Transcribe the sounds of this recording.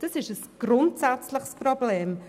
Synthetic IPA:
d̥əsɪʃəsɡ̥rʊntsɛt͡slɪχsproblɛːm

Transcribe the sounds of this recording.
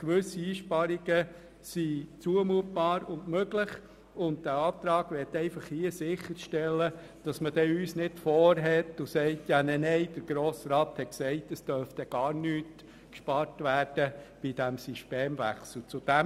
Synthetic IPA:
kʋʏsiiːʃpɑɾiɡə | sit͡suəmuət̚b̥ɑːɾʊndmøɡlɪχ | ʊntd̥æːɑːp̚t̪ɾɑːɡ̥ʋɪtɛɪfɑχhiəsɪχəɾʃtɛlːə | d̥ɑsməd̥ɛyːsnɪdfɔːɾɦɛt̪ʊsɛɪtjɑnɛnɛɪd̥əɾɡ̥ɾoːsɾɑːt̪hɛksɛɪtəsd̥œɾft̪ɛɡ̥ɑːɾnyːt | kʃpɑɾtʋæːɾd̥əb̥id̥æmsyʃteːmvæ̰χsl̩t͡sʊd̥æm

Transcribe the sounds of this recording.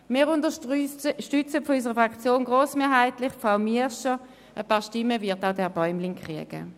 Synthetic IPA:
mɪːʁʊntəʃtʏt͡səfɔysəʁəfʁakt͡sjoːnɡʁoːsmeːɐɦaɪtlɪχpfaʊmiəʃə | ʔəpɑːʁʃtɪmːəvɪɐtaʊdɛːɐbɔʏmlɪŋkʁ̥iəɡ̥ə̰

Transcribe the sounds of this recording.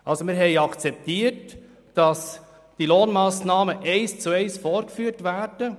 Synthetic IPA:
ʔɑlsomɪːɾɦɛɪɑkt͡sɛp̚tiːət | d̥ɑs | d̥iloːnmɑːsnɑːməʔɛɪst͡suɛɪsfoːɾkfyːəɾtvæːɾd̥ə

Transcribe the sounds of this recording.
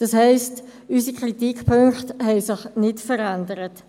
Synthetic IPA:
d̥ɑshɛɪstysikʁitikpʰøŋkχthɛɪsɪχnɪtfəɾɛndəɾət

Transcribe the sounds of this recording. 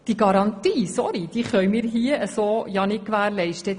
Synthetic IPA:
d̥iɡɑɾɑnt̪iːsɔɾid̥iːχœɥmɪːɾɦiəʔəsoːjɑnɪt̚kʋæːɾlɛɪʃtə

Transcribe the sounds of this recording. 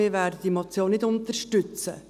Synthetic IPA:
iːɾʋæːɾdəd̥imot͡sjoːnnɪdʊnt̪əɾʃtʏt͡sə̰

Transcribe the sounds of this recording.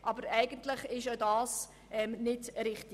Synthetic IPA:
ʔɑbəɾɛɪɡəntləχɪʃodɑːs | ʔɛmnɪdɾɪχti

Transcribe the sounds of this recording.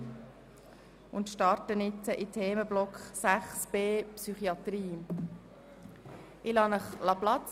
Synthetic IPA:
ʊnt̪ʃtɑɾtənɪt͡səʔitʰeːməblɔkχsæχsb̥eːpsyχiɑt̪ɾiː | ɪlɑnəχlɑplɑtt͡s

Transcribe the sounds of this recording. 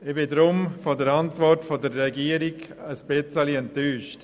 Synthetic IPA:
ɪbɪdɾʊmfodəɾɑntʋɔrtfodəɾːɛɡiəɾɪɡəspɪt͡səliɛntːyːʃt

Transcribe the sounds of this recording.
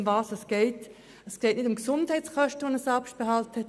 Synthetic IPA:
mvɑːsɛsɡ̥ɛɪt | ɛsɡ̥ɛɪtnɪdʊmksʊndhɛɪt͡skœʃtəʋonəsɑpʃt̚b̥ɛhɑlthɛt

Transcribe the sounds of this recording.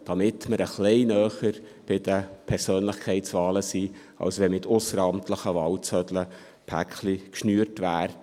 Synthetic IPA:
d̥ɑmɪtməɾʔəχlɛɪnœːχəɾ | b̥ɪd̥əpʰɛɾsøːnləχkʰɛɪtsʋɑːləsiː | ɑ̰lsʋɛmɪtʰʊsəɾɑmtʰləχəʋɑlt͡sœdlə | pʰæ̰kχlikʃnyːrtʋæːɾ

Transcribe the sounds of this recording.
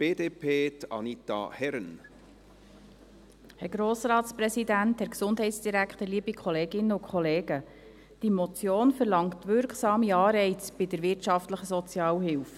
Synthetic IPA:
b̥eːd̪eːpʰeːt̪ɑ̰nit̪ɑ̰hɛɾn | hɛɾɡɾoːsrɑːtspɾɛsidænt̪hɛɾksʊnd̥ɦɛjtsd̥iɾækχt̪əliːbikʰχɔleːɡɪnːəʊkʰχɔleːɡə | d̥imɔt͡sjoːnfəɾlɑŋtʋʏɾkχsɑːmiɑːɾɛɪt͡sb̥ɪdəɾʋɪrtt͡ʃɑftləχəsɔt͡sjɑːwhɪlf

